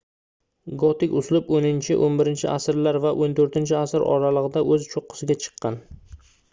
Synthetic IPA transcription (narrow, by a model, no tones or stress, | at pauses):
ɡɒt̪ɪkʲʊslˠɪponɪnt͡ʃʰɪʔonbɪɾɪnt͡ʃʰɪ̰asɪɾlaɾvaʔont̪ʰoɾt̪ɪnt͡ʃʰɪasɪɾʔɒ̰ɾalˠɨʁɨd̪aʔɵzt͡ʃʰoqʰːɨ̥sɪɡʲat͡ʃʰɨ̥qʰːɑn